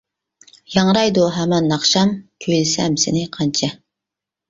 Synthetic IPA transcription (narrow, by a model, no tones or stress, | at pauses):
jɑŋɾɑjd̪uɦæmɑnːɑχʃɑmkʲʰøjlɪsɛmsɪnɪqʰɑnt͡ʃʰɑ